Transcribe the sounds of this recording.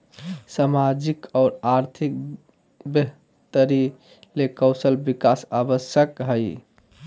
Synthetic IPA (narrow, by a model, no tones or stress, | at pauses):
samad͡ʒikɔːɾaɾt̪ʰik̚ | beɦ | t̪əɾi | lekɔwsəlbikasabəsjəkɦəj